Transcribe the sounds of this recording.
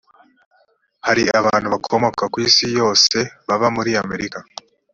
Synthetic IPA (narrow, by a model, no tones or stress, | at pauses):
haɾiaβaːn̥uβakʰomo̞kakwiːsijo̞ːse̞βaβamuɾiame̞ɾika